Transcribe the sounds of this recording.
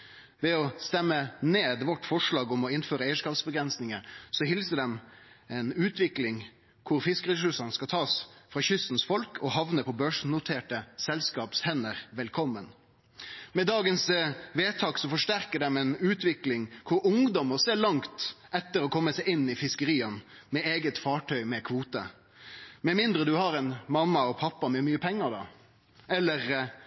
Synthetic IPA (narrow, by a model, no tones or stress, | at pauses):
ʋɛɔst̪ɛmːəneːd̪ʋɔʈːfɔʂɭɑːɡɔmɔɪnføːɾəɛɪəʂkɑːpsbəɡɾɛnsnɪŋəsɔhɪlsəd̪ɛmɛɪnʉːt̪ʰʋɪklɪŋ | kʰʊɾfɪskəɾɛʂʉsʂɑnəskɑt̪ʰɑːsfʁɑːçʏsn̩sfɔlkʰɔhɑʋnəpʰɔbøːʂn̩nʊt̪ʰeːʈəsɛlskɑːpshɛnəɾʋɛlkʰɔmːən | mɛd̪ɑːɡənsʋeːt̪ʰɑːksɔfɔʂʈæɾkəɖ̪ɛmɛnʉːt̪ʰʋɪklɪŋkʰʊɾʊŋd̪ɔməseːɭɑŋt̪ʔɛt̪ːəɾɔkʰɔmːəsæɪɪnːɪfɪskəɾiːɑnmɛeːɡət̪fɑːʈʰœʏmɛkʰʋuːt̪ə̰ | mɛmɪnd̪ɾəd̪ʉhɑɾɛnmɑmːɑɔpʰɑpːɑmɛmyːəpʰɛŋːɑd̪ɑ̰ | ɛlːəʁ